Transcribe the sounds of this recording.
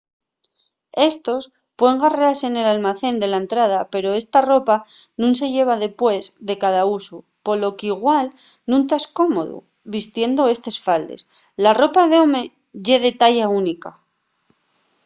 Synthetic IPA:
e̞st̪o̞s | pweŋɡarease̞ne̞lalmaθe̞nd̪e̞laent̪ɾað̞ape̞ɾo̞e̞st̪aro̞pa | nũnse̞ʝe̞β̞aðe̞pwe̞zðe̞kaðausu | po̞lo̞kiɣwal | nũnt̪aesko̞mo̞̰ðṵ | βist̪je̞nd̪o̞e̞st̪e̞sfald̪e̞̰s | laro̞paðe̞o̞me̞ | ʝe̞ðe̞t̪aʝaunika

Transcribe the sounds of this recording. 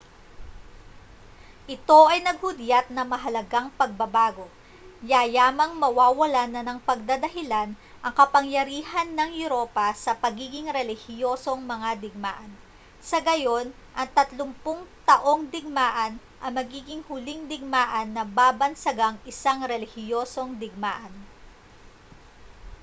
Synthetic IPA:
ʔɪt̪o̞ʔɐjnɐɡ̚hʊd̪jat̪̚nɐmɐɦɐlɐɡaŋpɐɡ̚bɐbaːɡo̞ | jajaːmɐŋmɐwaːwɐlanɐnɐŋpɐɡ̚d̪ad̪ɐɦɪlan | ʔɐŋkɐpɐŋjɐɾiːhɐnːɐŋjʊɾoːpɐsɐpɐɡiːɡɪŋɾɛlɪhɪjo̞ːso̞ŋmɐŋad̪ɪɡ̚maːʔɐn | sɐɡɐjo̞n | ʔɐŋt̪ɐt̪lʊmpʊŋt̪ɐʔo̞ŋd̪ɪɡ̚maːʔɐn | ʔɐmɐɡiːɡɪŋhʊlɪŋd̪ɪɡ̚maːʔɐnːɐbaːbɐnsɐɡaŋʔɪsaŋɾɛlɪhɪjo̞ːso̞ŋd̪ɪɡ̚maːʔɐn

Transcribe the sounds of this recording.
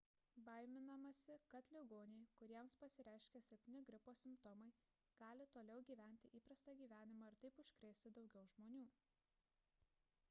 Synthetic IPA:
bɐˑɪmʲɪnɐmɐsʲɪkɐt̪lʲɪɡoːnʲɛɪkʊɾʲiɛmspɐsʲɪɾʲæˑɪʃʲkʲeːsʲɛpʲt̪ʲɪnʲɪɡɾʲɪpoːsʲɪmpt̪ɔmɐɪ | ɡ̥ɑːlʲɪt̪oːlʲɛʊɡʲiːʋʲæˑnʲt̪ʲɪʔiːpɾɐst̪ɑːɡʲiːʋʲæːnʲɪmɑːɪɾt̪ɐɪpʊʃʲkɾʲeːsʲt̪ʲɪd̪ɒʊɡʲɛʊʒmoːnʲuː

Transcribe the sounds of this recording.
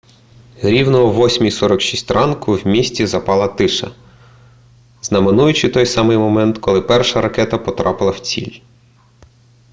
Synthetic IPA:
ɾʲiwnɔɦɔʋɔsʲmʲijsɔɾɐkʃisʲtʲrɑnkʊwmʲisʲtʲizɐpɑlˠɐt̪ɪʃɐ̰ | znɐmɪnujʊt͡ʃɪt̪ɔjsɑmɪjmɔmɛnt̪kʰɔlˠɪpɛrʃɐɾɐkɛt̪ɐpɔt̪ɾɑpɪlˠɐwt͡sʲḭlʲ

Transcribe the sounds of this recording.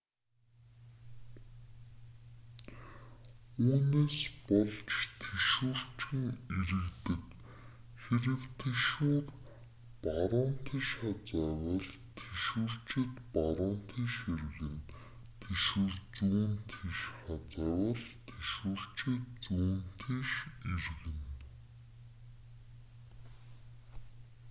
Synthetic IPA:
uːneːspɔɮt͡ɕt̪ʰeʃuːr̥t͡ɕʰɘ̆ŋeɾɘ̆ɣt̪ɘ̆t̪ | xeɾɘ̆wt̪ʰeʃuːr | paɾʊːnt̪ʰiʃχat͡sæːwə̆ɮ | t̪ʰeʃuːr̥t͡ɕʰɪ̆t̪paɾʊːnt̪ʰiʃeɾɣɘ̆n | t̪ʰeʃuːrt͡suːnt̪ʰiʃχat͡sæːwə̆ɮt̪ʰeʃuːr̥t͡ɕʰɪt̪t͡suːnt̪ʰiʃerɣɘ̆n

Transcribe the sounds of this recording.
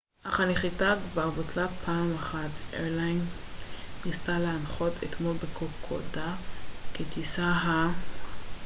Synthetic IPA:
ʔaχaniχitakvavotlapʰaːmaχatʔeʁlajnː | istaleanχotʰḛt̪molbekʰokʰo̰daket̪isaɦa

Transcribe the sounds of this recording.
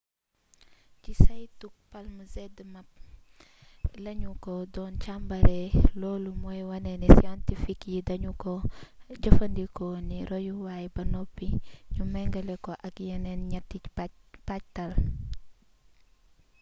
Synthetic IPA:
kisɐjtuk̚pɐlmuzɛdəmɐp̚ | lɐɲukɔdɔːnt͡ʃambɐɾɛlɔːlumɔjwɐnɛnɛsiɔntifikjidɐɲukɔɟɐfɐndikɔniɾɔjuwaːjibɐnɔpːiɲumɛŋɡɐlɛkɔʔɐkjɐnɛnɲɛtːicb̥ac̚tɐl

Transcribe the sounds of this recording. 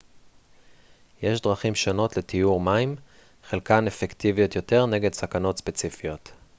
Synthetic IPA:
jeʃdʁaχimʃo̞no̞tle̞tijuʁmaim | χelkanefektivijo̞tjo̞te̞ʁne̞ɡedsakano̞tspe̞t͡sifijo̞t

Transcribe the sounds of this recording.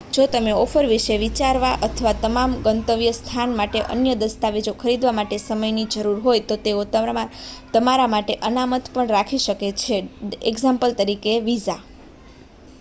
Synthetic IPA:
d͡ʒot̪əmeɔfʰəɾʋiʃeʋit͡ʃaɾʋaʔət̪ʰəʋat̪əmamɡənt̪əʋjəst̪ʰanmaʈeʔə̰njəd̪əst̪aʋed͡ʒokʰəɾid̪ʋamaʈesəməjnid͡ʒəɾuɾɦojt̪ot̪eot̪ | t̪əmaɾamaʈeʔənamət̪pəɳɾakʰiʃəket͡ʃʰeeɡzãmpəlt̪əɾikeʋid͡ʒa

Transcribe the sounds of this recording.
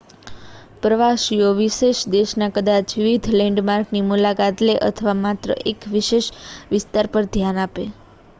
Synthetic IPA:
pɾəʋaʃioʋɪʃeʃd̪eʃnakəd̪at͡ʃʋɪʋid̪ʱlɛɳɖmaɾknimulakat̪leʔə̰t̪ʰəʋamat̪ɾə̰ʔekʋɪʃeʃʋɪst̪aɾpəɾd̪ʱjanape

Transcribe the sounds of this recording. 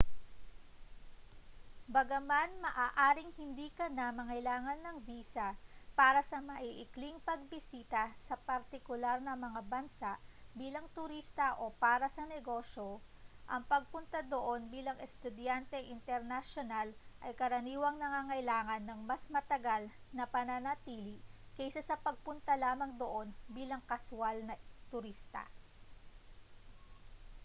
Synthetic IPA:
bɐɡɐmanmɐʔaːʔaːɾɪŋhɪnd̪iːkɐnɐmɐŋɐjlaːŋɐnːɐŋbiːsɐpaːɾɐsɐmɐʔiʔɪkliŋpɐɡ̚bɪsiːt̪ɐsɐpɐɾt̪ɪkʊlaɾnɐmɐŋabɐnsaʔbiːlɐŋt̪ʊɾist̪ɐʔo̞paːɾɐsɐnɛɡo̞ʃoʔɐŋpɐɡ̚pʊnt̪ɐd̪oʔo̞nbiːlɐŋɛst̪ʊd̪jant̪ɛʔɪnt̪ɛɾnɐʃonalʔɐjkɐɾɐniːwɐŋnɐŋaːŋɐjlaːŋɐnːɐŋmɐsmɐt̪ɐɡal | nɐpɐnanat̪iːlikɛjsɐsɐpɐɡ̚pʊnt̪ɐlaːmɐŋd̪oʔo̞nbiːlɐŋkɐsʊwalnɐt̪ʊɾist̪ɐ̰

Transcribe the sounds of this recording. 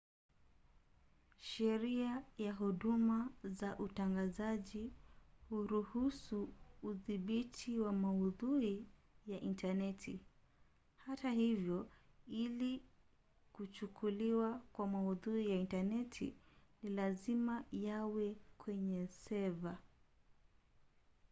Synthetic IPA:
ʃɛɾiajaɦuɗumazaʔutaŋɡazaʄihuɾuhusuːðiɓitʰiwamauðuɾijaʔintanɛtʰi | hatahivjɔili | kut͡ʃukʰuliwakwamauðuɾijaintanɛtʰḭnilazimajawɛkʰwɛɲɛsɛva

